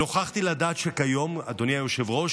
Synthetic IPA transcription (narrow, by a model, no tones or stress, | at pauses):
o̞χaχt̪iladaːt̪ʃekajo̞mad̪o̞nijajoʃe̞vʁo̞ʃ